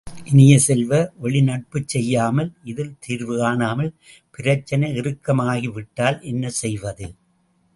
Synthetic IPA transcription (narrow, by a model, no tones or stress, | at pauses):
ʔɪnɪjɐsɛlʋɐʔɔɭɪnɐʈ̚pɯt͡ʃːɛjːaːmɐlʔɪðɪlt̪ʰiːɾʋɯaːnaːmɐl | pɪɾɐt͡ʃːɐnɐɪrɯkːɐmaːɣiʋɪʈːaːlʔɛnːɐsɛjʋɐðɯ